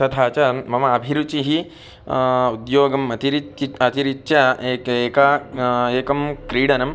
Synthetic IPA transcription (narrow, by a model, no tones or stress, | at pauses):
ɐd̪ʱaːt͡ʃɐmɐmɐɐbʱiɾut͡ʃiɦi | ud̪joːɡɐmɐt̪iɾiiɐt̪iɾit̪ːʃɐeːkeːkaeːkɐmkɾiːɽɐnɐm